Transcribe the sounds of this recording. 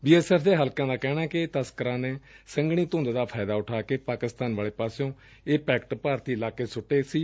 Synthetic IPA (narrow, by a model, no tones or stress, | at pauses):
biːɛːsɛːpʰd̪eːɦəlkãːd̪aːkɛːɽ̃aːkɪt̪əskəɾãːneːsəŋɡɽ̃iːt̪õːnd̪ːd̪aːpʰaːd̪aːʊʈʰaːkeːpaːkɪst̪aːnʋaːleːpaːsjõː | eːpɛːkʈpaːɾt̪iːɪlaːkeːsʊʈːeːsiː